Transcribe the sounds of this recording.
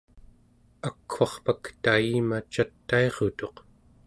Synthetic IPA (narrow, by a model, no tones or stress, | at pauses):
akʰxɑχpakt̪aimat͡ʃat̪ːae̞ʁot̪o̞q